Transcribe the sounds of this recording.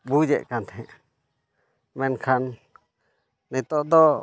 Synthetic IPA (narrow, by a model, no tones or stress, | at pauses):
bud͡ʒɛ̰ʔkant̪ʰɛ | mɛnkʰan | it̪ɔʔd̪ɔ